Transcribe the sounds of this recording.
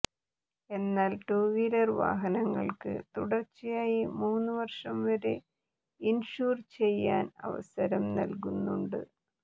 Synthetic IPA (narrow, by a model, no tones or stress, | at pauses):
e̞nːaːlʈuːʋiɾɐrʋa̰ːɦɐnɐŋːɐ̰ɭkɨ̰t̪uɽɐrt͡ɕːijaːjimuːnːɨʋɐrʂɐmʋɐɾe | inʂuːrt͡ɕe̞jːa̰ːnɐ̰ʋɐ̰sɐɾɐmnɐ̰lkunːuɳɖɨ̰